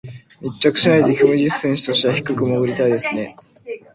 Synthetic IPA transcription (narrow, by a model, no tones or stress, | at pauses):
mʲitt͡ɕːakɯ̥ɕinaid̪ekʲomɯʑissẽɰ̃ɕɨ̥t̪o̞ɕβaçi̥kɯ̟kɯ̟moɡɯ̟ɾʲit̪aid̪e̞sɨne̞